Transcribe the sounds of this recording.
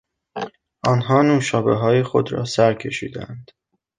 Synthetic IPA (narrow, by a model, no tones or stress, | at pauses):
ʔɒːnɦɒːnuːʃɒːbḛɦɒːjexo̞d̪ɾɒ̰ːsæɾcʰe̞ʃḭːd̪æ̰nd̪̥